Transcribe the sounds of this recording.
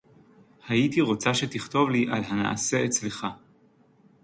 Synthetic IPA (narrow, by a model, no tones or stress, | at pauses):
hajit̪iʁo̞t͡saʃe̞t̪iχt̪o̞vliʔalɦana̰ʔa̰se̞et͡sle̞χa